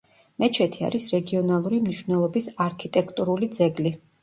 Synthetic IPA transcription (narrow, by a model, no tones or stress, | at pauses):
mɛt͡ʃʰɛt̪ʰia̰ɾisɾɛɡiɔnalˠuɾimniʃvnɛlˠɔbisaɾkʰit̪ʼɛkʰt̪ʼuɾulid̪zɛɡli